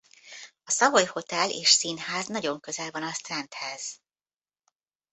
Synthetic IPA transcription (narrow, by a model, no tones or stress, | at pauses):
ɒsɒvojho̞t̪ɛlḛːʃsinhaːznɒɟo̞ŋkø̞zɛlvɒnɒst̪rɛnt̪hɛz̥